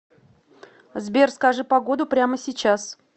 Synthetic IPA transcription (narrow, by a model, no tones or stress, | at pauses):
zbʲerskɐʐɨpɐɡo̞d̪ʊpɾʲaməsʲɪt͡ɕas